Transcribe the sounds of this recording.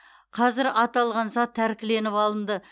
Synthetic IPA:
qʰɑzɪɾɑt̪ɑlˠʁɑnsɑt̪ʰːæɾkʲɪle̞nɪpɑlˠəmd̪ə

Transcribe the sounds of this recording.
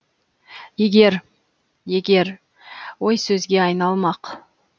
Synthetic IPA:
je̞ɡʲe̞ɾ | je̞ɡʲe̞ɾ | wo̞jsɵzɡʲe̞ɑjnɑlˠmɑq

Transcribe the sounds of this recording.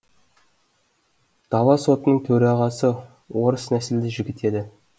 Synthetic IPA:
d̪̥ɑwɑso̞t̪ənəɴt̪ʰɵɾɑʁɑsə | wo̞ɾəsnæsɪld̪ɪʒɪɡʲɪt̪e̞d̪ɪ

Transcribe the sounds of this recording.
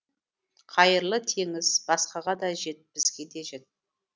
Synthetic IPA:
qʰɑjəɾlˠət̪ʰe̞ŋɪzbɑsqɑʁɑd̪ɑʒe̞t̪̚bɪz̥ɡʲe̞d̪e̞ʒe̞t̪̚

